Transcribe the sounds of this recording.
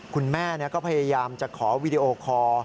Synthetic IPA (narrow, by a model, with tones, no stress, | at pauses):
kʰu˧nmɛː˥˩ni˦˥˩ɐkɔː˥˩pʰa˧jaː˧jaː˧mt͡ɕa˨˩kʰɔː˩˦wiː˧di˧ʔoː˧kʰɔː˧